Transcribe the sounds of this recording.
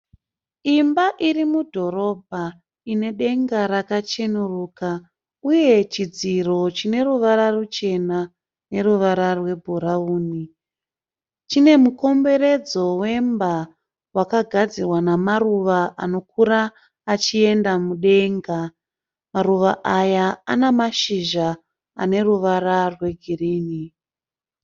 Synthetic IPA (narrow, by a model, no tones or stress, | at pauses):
imbaʔirimudʱo̞ɾo̞bʱa | ine̞ɗe̞ŋɡaɾakat͡ʃe̞nuruːka | uje̞t͡ʃid͡ziro̞t͡ʃine̞ruʋaɾarut͡ʃe̞na | ne̞ruʋaɾarwe̞bʱuɾauːni | t͡ʃine̞muko̞mbe̞ɾe̞d͡zo̞we̞mba | wakaɡʱad͡zirwanamaruʋaʔano̞k̚uɾaː | t͡ʃie̞ndamuɗe̞ŋɡa | maɾuʋaʔajaanamaʃiʒa | a̰ne̞ruʋaɾarwe̞ɡʱiriːni